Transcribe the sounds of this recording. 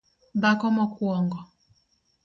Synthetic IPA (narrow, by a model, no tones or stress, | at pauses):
bakɔmɔkuɔŋɡɔ